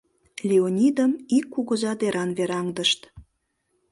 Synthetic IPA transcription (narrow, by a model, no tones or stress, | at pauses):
lʲeonʲid̪əmikːuɣəzɑd̪eɾʔɑnβeɾɑŋd̪əʃt̪